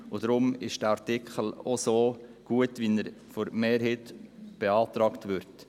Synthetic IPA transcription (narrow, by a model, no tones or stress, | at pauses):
ʊd̥ɾʊmɪʃd̥əɑɾtɪkʰχəlosoːɡ̥uətʋinəɾfɔɾmeːɾɦeːtb̥eɑːtɾɑːktʋʏɾt